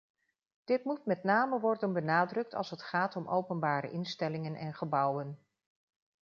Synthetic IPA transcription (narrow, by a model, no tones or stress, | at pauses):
d̥ɪtmut̚mɛtnaːməʋɔrdənbənaːdrɵk̚tɑ̰lˠsətχaːtɔmʔowpənbaːɾə̰ʔɪnstɛlɪŋənʔɛnχəbʌwən